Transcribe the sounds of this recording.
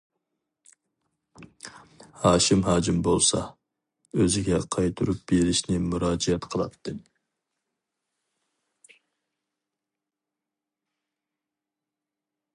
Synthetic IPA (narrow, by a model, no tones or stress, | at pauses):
hɑːʃimhɑːd͡ʒimbolˠsɑ̰ | øzɪɡʲɛqʰɑjt̪ʰuɾup̚b̥eɾɪʃnɪmuɾɑːd͡ʒiɛt̪qʰəlˠɑ̰t̪ʰːɨ